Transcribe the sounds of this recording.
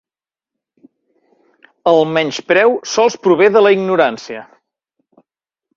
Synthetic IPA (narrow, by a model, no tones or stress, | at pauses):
əlˠmɛɲʃpɾɛwsɔlˠspɾuβ̞eðələiɡnuɾansiə